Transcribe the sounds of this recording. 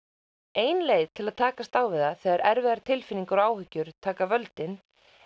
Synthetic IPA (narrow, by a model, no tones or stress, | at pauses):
eːjnleːjðt̪ʰɪlaðt̪ʰaːkast̪awvɪðaθɛːɣaɾʔɛɾvɛðaɾt̪ʰɪlfɪniŋkʏɾaːwhʏcːʏɾ̥t̪ʰaːkavœlt̪ɪn